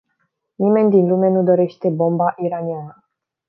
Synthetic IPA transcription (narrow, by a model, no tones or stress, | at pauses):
nime̞nʲd̪inlumenud̪o̞ɾe̞ʃt̪e̞bo̞mbaʔiɾanianə